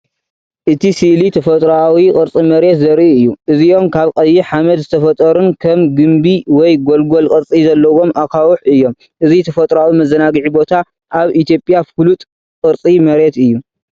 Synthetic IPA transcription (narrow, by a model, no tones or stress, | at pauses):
ʔɨt̪ʰisiʔlit̪ʰɐfɐt̪ʼɾawikʼɨɾt͡sʼimɐɾe̞t̪zɐɾʔiɨjːuʔɨziʔo̞mkʰaβqʼɐjːiħamɐd̪zɨt̪ʰɐfɐt̪ʼɐɾunkʰɐmɡɨmbiwɔjɡolɡo̞lkʼɨɾt͡sʼizɐlːɐwo̞mʔakʰawuħɨjːo̞m | ʔɨzit̪ʰɐfɐt̪ʼɾawimɐzɐnaɡɨʕibo̞t̪ʰa | ʔaβʔit̪ʰijo̞pʼjafɨlut̪ʼ | kʼɨɾt͡sʼimɐɾe̞t̪ɨjːu